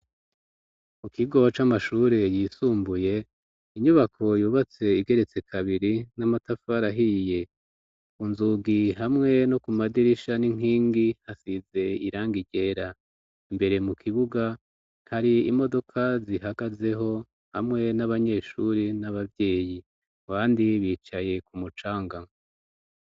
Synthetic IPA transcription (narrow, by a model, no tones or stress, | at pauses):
mukiɡo̞t͡ʃamaʃuɾejiːsuːmbuje̞ | iɲuβakʰo̞juːβat͡se̞iɡe̞ɾe̞t͡se̞kʰaβiɾinamatafaɾaɦije̞ | kunzuɡiɦamŋe̞nokumadiɾiʃaniŋ̥iːŋɡihasize̞iɾaːŋɡiɟe̞ːɾa | imbe̞ɾe̞mukʰiβuɡa | haɾiimo̞do̞kʰaziɦaɡ̥aze̞ɦo̞ | ha̰mŋe̞naβaɲe̞ːʃuɾinaβavje̞ːji | aβaːndiβiːt͡ʃaje̞kumut͡ʃaːŋɡa